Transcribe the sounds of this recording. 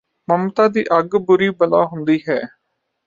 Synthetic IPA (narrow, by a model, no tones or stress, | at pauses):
məmt̪aːd̪ḭːʔəɡbʊɾiːbəla̰ːɦʊnd̪iːɦɛː